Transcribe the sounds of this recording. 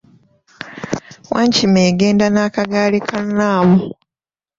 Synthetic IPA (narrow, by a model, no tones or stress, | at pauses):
waːɲcimeːɡe̞ːndanaːkaɡaːlikanaːmu